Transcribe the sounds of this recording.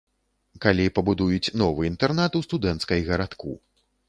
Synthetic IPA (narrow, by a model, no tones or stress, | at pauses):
kalʲipɐbud̪ujut͡sʲnɔvɨint̪ɛrnat̪ust̪ud̪ɛnt̪skɐjɣɐɾat̪kṵ